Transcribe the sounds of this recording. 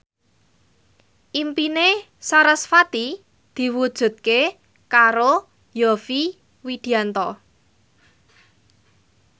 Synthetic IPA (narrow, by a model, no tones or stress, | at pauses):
ʔimpine | saɾəsfat̪i | d̪̥i̤wud̥ʒ̥ṳt̪̚ke | kaɾo | jɔfi | wid̪̥i̤ant̪ɔ